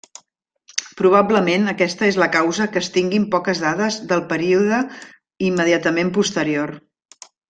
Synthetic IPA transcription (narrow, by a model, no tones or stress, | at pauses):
pɾuβ̞abləmenəkɛst̪əezləkawzəkəːst̪iŋɡimpɔkəzðaðəzðəlˠpəɾiuðə | imːəðiat̪əmempust̪əɾior